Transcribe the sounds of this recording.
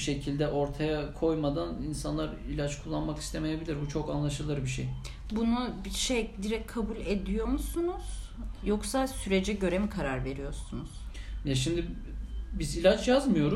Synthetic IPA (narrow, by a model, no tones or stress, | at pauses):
ʃe̞cʰilʲd̪ɛʔo̞ɾt̪ʰajakʰo̞jmad̪aninsanlˠaɾilʲat͡ʃkʰulˠːanmakist̪ʰe̞me̞jebilʲiɾbut͡ʃʰo̞kanlˠaʃɯlˠɯɾbiʃej | bunubiʃejd̪iɾɛc̚ʲkʰːabulʲed̪ijo̞musunuz̥ | jo̞ksasyɾe̞d͡ʒɛɟø̞ɾemikʰaɾaɾve̞ɾijo̞ɾsunuz̥jɛʃ̬imd̪i | bizilʲat͡ʃjazmɯjo̞ɾu